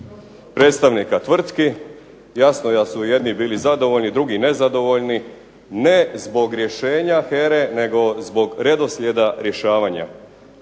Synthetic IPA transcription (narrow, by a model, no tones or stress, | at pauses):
pɾet̪st̪aʋnikat̪ʋr̩t̪ki | jasnoj̪asuje̞d̪nibiːlizad̪o̞ʋo̞ʎnid̪ɾuɡine̞zad̪o̞ʋo̞ʎni | ne̞zbo̞ɡɾje̞ʃe̞ːɲaxeɾe̞ne̞ɡo̞zbo̞ɡɾe̞d̪o̞sʎʲe̞d̪aɾje̞ʃaːʋaɲa̰